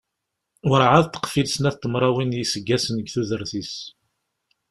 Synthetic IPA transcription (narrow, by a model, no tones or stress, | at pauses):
ʊɾʕaðt̪ːə̥qfilsənæθt̪ːəmɾˤɑwinjisəɡːæsənəɡθuðəɾθis